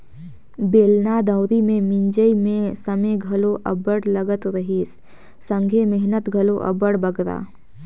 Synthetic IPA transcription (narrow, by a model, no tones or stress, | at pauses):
beːlnad̪əʊɾimẽmɪ̃ɲd͡ʒəimẽsəmeɡʱɐloʔɐ̰bəɽləɡət̪ɾəɦiːs | sə̃ŋɡʱemɪɦnət̪ɡʱɐloʔɐ̰bəɽbəɡɾa̰ː